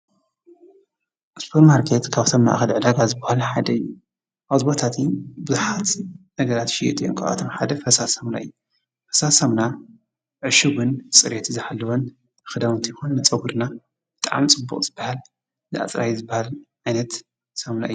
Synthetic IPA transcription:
ʔspʰoɾmaɾkʰet̪kʰaβt̪ʰomna̰ʔxɐlʕɨd̪aɡazɨbahalħad̪ɐɨjːu | ʔaβzɨbot̪ʰat̪ʰibɨzuħat̪nɐɡɐɾat̪ʃɪjɛ̰t̪ʼijo̰nkʰaʔa̰t̪ʰomħad̪ɐfɐsasɐmna̰ɨ̰jːu | fɐsasɐmna | ʕɨʃuɡɨnsʼɨɾet̪ʰizɨħalːɐwon | ɨxɨd̪awɨnt̪ʰijxonmɨt͡sʼɐwɨɾna | b̥ɨt̪ʼaʕmit͡sʼɨbːṵqʼz̥ɨbːahal | zɨʔa̰t͡sʼɾa̰jizɨbːahalʕajnɐt̪ | sɐmna̰ʔɨu

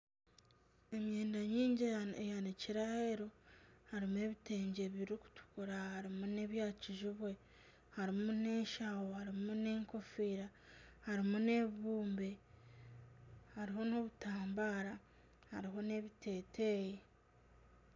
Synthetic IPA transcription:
e̞mje̞ːndaɲiːɲɟiejaniciɾahe̞ɾohaɾimue̞ːβite̞ːɲɟe̞βiɾiku̥tu̥kuɾahaɾimune̞βjaːciʒiβwe̞ | haɾimune̞ːʃawohaɾimune̞ːŋko̞fiːɾahaɾimune̞ββuːmbe̞ | haɾiɦo̞noβutaːmbaːɾa | haɾiɦo̞ne̞βitʰe̞ːtʰe̞ːje

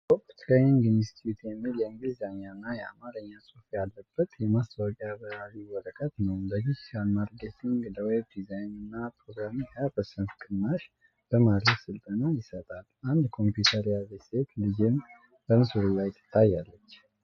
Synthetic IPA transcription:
okt̪ʰɾeniŋɡɨnist̪iut̪jɛmːiljɛŋɡizaɲanːajɛa̰maɾəɲːasʼufjalːəb̥ːət̪jɛmast̪ʰawəkʼjaβəɾaliwɔɾəkʼət̪nəwləɡid͡ʒalmad̪ɡet̪ʰiŋɡləweb̚d̪izajnɨnːapʰɾo̞ɡɾamihapəsənfkʰɨnːaʃ | b̥əmad̪ɾəsɨlt̪ʼənajɪsət̪ʼalʔand̪kʰo̞mpjut̪ʰəɾijaveset̪lɨd͡ʒɪn | b̥əmɨsuɾilajt̪ʰːɨ̥t̪ʰːajːalːət͡ʃː

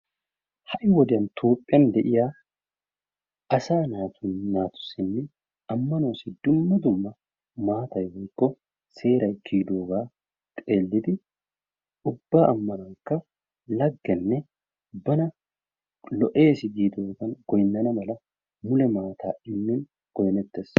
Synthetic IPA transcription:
hɐʔɪwɔd̪ɪɐnt̪ʰoːpʼːɪjɐnd̪ɛʔɪjaː | ɐsaːnaːt̪ʊnnaːt̪ʊ̥sɪnːɪ | ɐmːɐnoːsɪd̪ʊmːɐd̪ʊmːɐ | maːt̪ɐjwɔjkːɔ | se̞ːɾɐjkiːd̪oːɡaː | t̪ʼe̞ːlːɪd̪ɪ | ʊbːaːʔɐmːɐnɐŋkːɐ | lɐɡːɛnːɛ | ʊbːɐnɐ | lɔʔe̞ːsɪɡiːd̪oːɡɐnɡɔjnɐnɐmɐlɐ | mʊlɛmaːt̪ʰaːɪmːɪn | ɡ̥ɔjnɛt̪ːes

